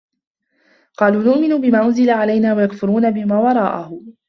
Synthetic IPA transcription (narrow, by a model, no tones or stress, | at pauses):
qɑːluːnʊʔmɪnʊbɪmaːʔʊnzɪlaʕalajnaːwajakfʊɾuːnabɪmaːwɑɾˤɑːʔahʊ